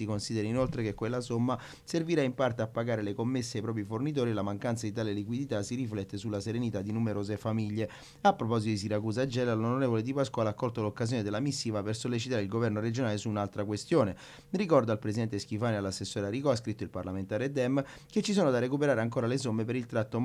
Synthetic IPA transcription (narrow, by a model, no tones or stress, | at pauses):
sikonsid̪eɾainolt̪ɾekekːwelːasomːa | serviɾaimpart̪eapːaɡaːɾelekomːesːeajpɾɔpɾifornit̪̬oːɾilamaŋkant̪sad̪it̪aːlelikwid̪it̪asiɾiflɛt̪ːesulːaseɾenit̪ad̪ːinumeɾoːzefamiʎːe | apːɾopɔzit̪od̪is̬iɾakuːz̬ad͡ʒːɛːlalonoɾeːvoled̪ipaskwalakːɔlt̪olokːazjoːned̪elːamisːiːvapersolːet͡ʃit̪aːɾeilɡovɛrnoɾed͡ʒonaːlesuːnalt̪ɾakwest̪joːne | rikɔrd̪aːlpɾes̬id̪ɛnt̪eskifaːnealːasːesːoːɾaɾikɔas̬kɾit̪ːoilpa̰rlament̪aːɾed̪ɛmː | ket͡ʃːis̬oːnod̪arekupeɾaːɾeaŋk̬oːɾales̬omːepeɾilt̪ɾat̪ːo